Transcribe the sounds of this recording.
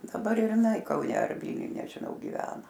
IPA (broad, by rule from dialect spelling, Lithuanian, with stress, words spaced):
dɐˈbɐr ɪr ɪˈnɐɪ kɐʊˈnʲɛ ɐr ˈʋʲiːlʲnʲʊj nʲɛʒʲɪˈnɐʊ ɡʲɪˈʋʲæːnɐ